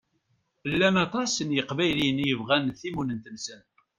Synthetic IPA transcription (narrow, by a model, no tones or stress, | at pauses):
əlːænɑt̪ˤɑsənjəqvæjlinjəvʁænθimunənt̪ənsən